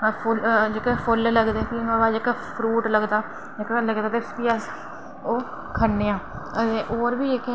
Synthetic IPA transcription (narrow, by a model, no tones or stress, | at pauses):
pʰʊld͡ʒekːpʰʊlləɡd̪eːkinãːbaːd͡ʒekpʰɾuːʈləɡd̪aː | d͡ʒekːləɡd̪aːt̪espiːɛs | oː | kʰəɳːeːãː | əeʔoːɾbiːeke